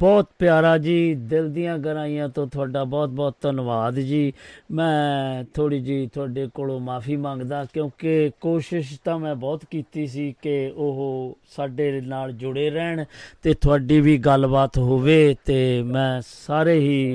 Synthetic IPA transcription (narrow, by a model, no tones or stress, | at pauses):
bɔːt̪pjaːɾaːd͡ʒiːd̪ɪld̪ijãːɡəɾaːijãːt̪õːt̪ʰʊaːɖaːbɔːt̪̚bɔːt̪t̪ənʋaːd̪d͡ʒiːmɛ̃ːt̪ʰoːɽiːd͡ʒiːt̪ʰʊaːɖeːkoːloːmaːpʰiːmãːŋɡd̪aːkjõːkekoːʃɪʃt̪ãːmɛ̃ːbɔːt̪kiːt̪iːsiːkɪʊɦsaːɖeːnaːld͡ʒʊɽeːɾɛːɳt̪eːt̪ʰʊaːɖiːʋiːɡəlbaːt̪ɦoːʋeːt̪eːmɛ̃ːsaːɾeːɦiː